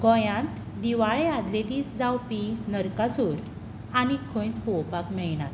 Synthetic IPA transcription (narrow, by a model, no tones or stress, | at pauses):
ɡɔ̃jãnt̪ | d̪iʋaɭead̪led̪iːsd͡zawpinəɾkasuːɾ | añikʰõj̃t͡sbɔwpakmɛɭnat̪